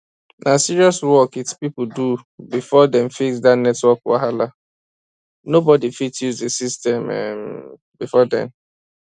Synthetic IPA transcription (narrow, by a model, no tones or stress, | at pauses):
nʔasiɾiɔswɔkitpip̩dubifɔdɛ̃mfiksdatnɛtwɔkwa̰ɦala | nobɔdifitjuzdesistɛmɛ̰ | bifɔdɛ̰̃n